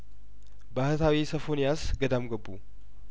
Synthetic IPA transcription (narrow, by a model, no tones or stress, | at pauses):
bahət̪ʰawisəfo̞njasɡəd̪amɡəbːu